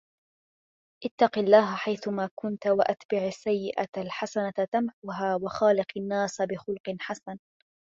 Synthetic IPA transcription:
ʔɪt̪ːɑqilːaːɦaħajθʊmaːkʊnt̪waʔat̪bɪʕasːajːɪʔaalħasanat̪amħʊɦaːwaxaːlɪqanːaːsbɪxʊlqɨnħasan

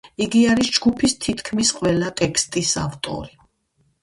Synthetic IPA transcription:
iɡiaɾisd͡ʒɡupʰist̪ʰit̪ʰkʰmisqʼwɛlat̪ʼɛkʰst̪ʼisa̰ft̪ʼɔ̰ɾi

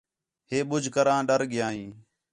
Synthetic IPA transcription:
ɦeːɓʊd͡ʒʱkəɾãːɗəɾɠɪjãːĩː

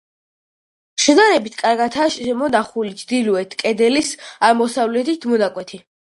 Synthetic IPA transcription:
ʃɛnaɾɛbit̪ʰkʼaɾɡat̪ʰaʃɛmɔnaχulit͡ʃʰd̪iluɛt̪ʰkʼɛd̪ɛlisamɔsavlɛt̪ʰit̪ʰmɔnakʼwɛt̪ʰi

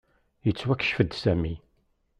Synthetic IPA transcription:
jət͡sːwækːə̥ʃfəd̪sæmi

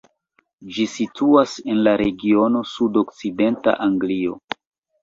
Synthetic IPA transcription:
d͡ʒisituase̞nlaɾe̞ɡio̞no̞sudo̞kt͡side̞nta̰ʔaŋɡlio̞̰

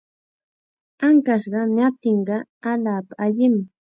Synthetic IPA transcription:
aŋkaʃɢɑnat̪ɪɴɢɑalaːpaaʎɪm

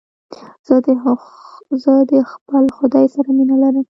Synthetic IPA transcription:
z̥əd̪ | zəd̪əxpəlxʊd̪ɑjsaɾaminalaɾəm

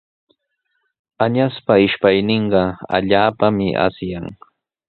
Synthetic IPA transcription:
aɲaspaɪʃpajnɪɴɢɑa̰ʎaːpamɪʔa̰sjaŋ

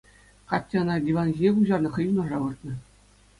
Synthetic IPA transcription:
kɑtʲːĕɤ̆nɑdʲiʋɑnʑʲinʲekʲuʑɑrnɤ̆χɤ̆junɤ̆ʐɑʋɯrt̪nɤ̆

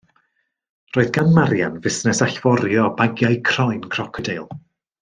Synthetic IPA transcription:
roːɨðɡanmaɾjanvɪsnɛsaɬv̥ɔɾjɔb̥aɡjajkʰrɔjnkʰr̥ɔkʰədejlˠ

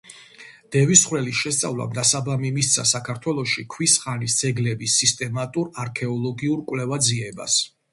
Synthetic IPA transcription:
d̪̥ɛvisχwɾɛliʃɛst̪sʼa̰vlˠa̰md̪asabamimist̪sʰasakʰaɾt̪ʰwɛlˠɔʃikʰwisχanisd̪z̥ɛɡlɛbisːist̪ʼɛmat̪ʼuɾaɾkʰɛɔlˠɔɡiuɾkʼwlɛvad̪ziɛba̰s

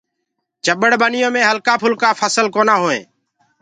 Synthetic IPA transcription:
t͡ʃəɓəɽɓənɪjõːmẽːɦəlkaːpʰʊlkaːfʰəsəlkoːnaːɦoːḛ̃ː

